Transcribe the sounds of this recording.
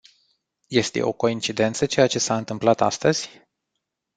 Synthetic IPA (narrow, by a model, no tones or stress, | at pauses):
je̞st̪e̞̰ʔo̞̰ko̞int͡ʃid̪e̞nt̪sət͡ʃe̞jat͡ʃe̞saɨnt̪ɨmplat̪a̰st̪əz̥ʲ